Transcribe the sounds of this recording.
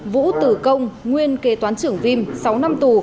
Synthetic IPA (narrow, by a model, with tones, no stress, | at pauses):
vṵ˧˥t̪ɨ˧˩kə˧wŋ͡mŋwi˧ənke˨˦t̪waː˨˦nt͡ɕɨ˧˩əŋvi˧msa˨˦wna˧mt̪u˨˩